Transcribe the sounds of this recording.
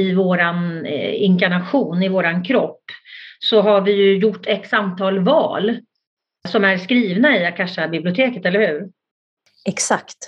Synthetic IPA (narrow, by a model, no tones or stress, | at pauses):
ɪvoːɾanɪŋkaɳaɧuːnɪvoːɾankʰɾɔpːsɔɦaɾvɪjɵjʊʈːɛksant̪ʰɑːlvɑ̰ːl | sɔmæɾskɾiːvnaɪakʰaʂabɪblɪʊt̪ʰeːkət̪ɛlːəɾhʉ̟ːɾ | ɛksakt̪